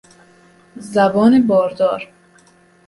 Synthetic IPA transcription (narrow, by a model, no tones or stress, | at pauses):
zæbɒːnebɒːɾd̪ɒːɾ